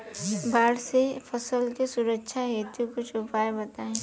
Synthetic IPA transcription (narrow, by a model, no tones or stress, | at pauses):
baːɽsepʰɐsəlkesʊɾəkʃʰaɦeːt̪ũkot͡ʃʰʊpaːebɐt̪aɛ̃ː